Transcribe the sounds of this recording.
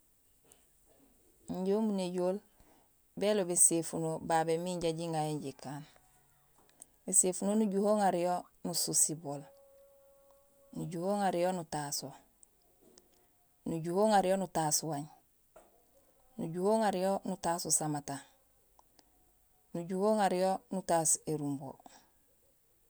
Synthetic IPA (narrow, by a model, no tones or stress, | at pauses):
ɲɟoːmuneɟoːl | belobesefunobaːbemiɲɟaɟiŋɡajeɲɟikaːn | besefunonuɟuhoːŋaɾijo | nususibol | nuɟuhoːŋaɾijonutaːso | nuɟuhoːŋaɾijonutaːsuwaɲ | nuɟuhoːŋaɾijonutaːsusamata | nuɟuhoːŋaɾijonutaːseɾumbo̰